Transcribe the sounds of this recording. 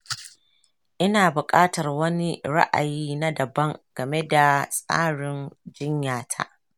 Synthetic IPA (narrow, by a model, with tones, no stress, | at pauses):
ʔɪ˦naː˨bʊ˨kʼaː˦tɐ˨rwɐ˦ni˦ɽa̰˦ʔa̰˨jiː˦na˦dɐ˨bɐ˦ŋɡ̥ɐ˨me˦da˨sʼa̰ː˦ɽɪ˨nd͡ʒɪ˦ɲjaː˨tʰa̰˦ʔ